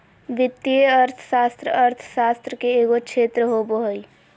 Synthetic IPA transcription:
ʋit̪ːijeəɾt̪ʰə̥sast̪ɾəəɾt̪ʰə̥sast̪ɾəkeːɡokt͡ʃʰet̪ɾəɦobəɦəj

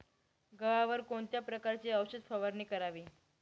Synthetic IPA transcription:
ɡəʋaʋəɾkoɳt̪japɾəkaɾt͡ɕiːəʋɕəd̪fəʋəɾniːkəɾaʋiː

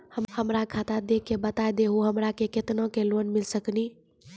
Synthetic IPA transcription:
həmhəmɾakʰat̪ad̪ekːebət̪ajd̪eɦoɦəmɾakeket̪nõkelonmilsəkni

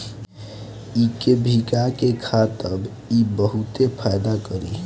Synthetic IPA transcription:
ikebʱikakekʰat̪əb | ibəɦut̪epʰajd̪akəɾi

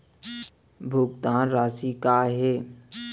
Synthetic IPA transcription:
bʱukt̪ãːɾaːsikaɦe

